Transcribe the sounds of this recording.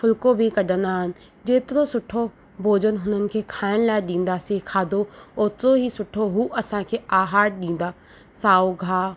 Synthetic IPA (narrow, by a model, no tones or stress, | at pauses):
fʊlkobʱikɐɖʱə̃nd̪aːɦɪnɪ̆ | d͡ʑeːt̪ɪɾosʊʈʰo | bʱoːd͡ʑənɦʊn̤ənɪ̆kʰeːkʰaːɪɽ̃laːɪɗĩːn̆d̪asikʰaːd̪ʱooːt̪ɾoɦisʊʈʰoɦuːʔɐsãkʰeːaːɦaːʈ̚ɗĩːn̆d̪aː | saːoɡʱaː